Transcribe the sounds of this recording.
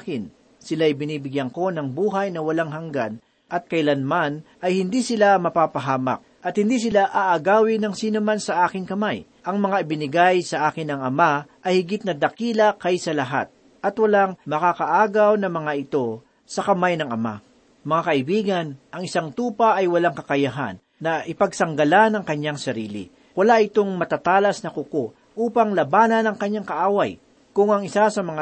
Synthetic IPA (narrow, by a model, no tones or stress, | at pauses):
kɪn | sɪlaːjbɪniːbɪɡjɐŋko̞nɐŋbuːɦajnɐwɐlaŋɦɐŋɡa̰n | ʔɐt̪̚kɐɪlanmanʔɐjhɪnd̪isɪlamɐpaːpɐɦaːmɐ̰k̚ʔɐt̪̚hɪnd̪is̬ɪlaʔaʔɐɡaːwɪnɐŋsiːnomansɐʔaːkɪŋkɐmaj | ʔɐŋmɐŋaɪbɪnɪɡajsɐʔaːkɪnɐŋɐmaʔɐjhɪɡɪt̪̚nɐd̪ɐkiːlɐkɐjsɐlɐɦa̰t̪̚ | ʔɐt̪wɐlaŋmɐkakɐʔaːɡawnɐmɐŋaʔɪt̪o̞ | sɐkɐmajnɐŋɐma̰ | mɐŋakɐʔɪbiːɡɐnʔɐŋɪsaŋt̪uːpɐʔɐjwɐlaŋkɐkɐjaɦa̰nːɐʔɪpɐɡ̚sɐŋɡɐlanɐŋkɐɲaŋsɐɾiːlɪ̰ | wɐlaʔɪt̪o̞ŋmɐt̪at̪aːlɐsnɐkʊko | ʔuːpɐŋlɐbaːnɐnɐŋkɐɲːaŋkɐʔaːwɐaj | kʊŋɐŋɪsasɐmɐŋa